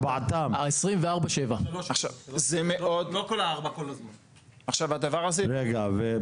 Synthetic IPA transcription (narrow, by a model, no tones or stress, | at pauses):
bat̪amesʁimveaʁbaʃevaaχʃavzemeod̪lokolaaʁbakolazman | aχʃavad̪avaʁazɛʁeɡave